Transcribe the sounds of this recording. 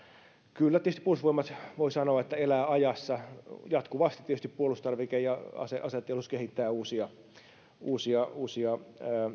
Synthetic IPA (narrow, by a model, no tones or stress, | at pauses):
kylːæt̪iest̪i̥pːuolusʋoimːɑt̪ʋoisɑnoːɑet̪ːæelæːɑjɑsːɑjɑt̪kuʋɑst̪it̪ːitest̪ippuolust̪ɑrʋikejjɑɑ̰seʔɑset̪ːˑeluskehit̪ːæːuːsiɑ | uːsiɑuːsiɑəː